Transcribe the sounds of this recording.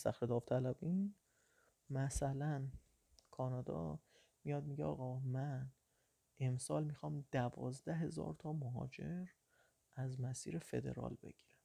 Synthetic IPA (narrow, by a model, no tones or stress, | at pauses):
sæ̰xɾed̪ɒːft̪ʰælæbiːn | mæsælæn | kʰɒːnɒːd̪ɒ̰ː | mijɒːd̪̚miɟeɒ̰ːɣɒːmæn | ʔe̞msɒːlmiːxɒːmd̪̥ævɒ̰ːzd̪æɦe̞zɒ̰ːɾt̪ʰɒːmoɦɒ̰ːd͡ʒe̞ɾ | ʔæzmæsḭːɾefe̞̰d̪e̞̰ɾɒ̰ːlbe̞̰ɟ̥i̥ːɾæm